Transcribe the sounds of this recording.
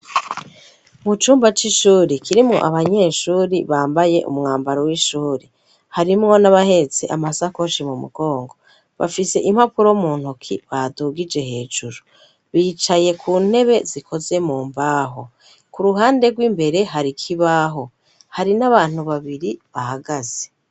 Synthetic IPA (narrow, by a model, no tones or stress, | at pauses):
mut͡ʃuːmbat͡ʃiʃuːɾikʰiɾimŋo̞̰ʔaβaɲe̞ːʃuːɾiβaːmbaje̞ʔṵmŋaːmbaɾowiʃuːɾe | haɾimŋo̞naβahe̞t͡seʔamasako̞ʃimumṵɡ̥o̞ːŋɡo̞ | βa̰fise̞̰ʔim̥hapuɾomuːn̥hukʰḭβaduɡid͡ʒe̞he̞ːd͡ʒuɾu | βiːt͡ʃaje̞kʰuːn̥he̞βe̞zikʰo̞ze̞muːmbaɦo̞ | kuɾuɦaːnde̞ɡwiːmbe̞ɾe̞ɦaɾikʰiβaɦo̞ | haɾinaβaːn̥huβaβiɾiβahaɡaz̥e